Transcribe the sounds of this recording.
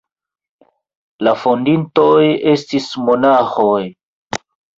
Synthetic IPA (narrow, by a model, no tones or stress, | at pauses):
lafondintojestismonaxoj